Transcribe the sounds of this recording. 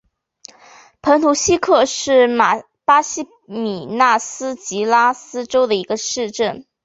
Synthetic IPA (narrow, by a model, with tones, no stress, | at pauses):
pʰə˧˥ŋt̪ʰu˧˥ɕi˥kʰɤ˥˧ʂɻ̩˥˩ma˨˩ | pa˥ɕi˥ | mi˨˩na˥˩sɹ̩˥t͡ɕi˧˥la˥sɹ̩˥ʈ͡ʂo˥ʊd̪ə˨i˧˥ɡə˧ʂɻ̩˥˧ʈ͡ʂə˥˩n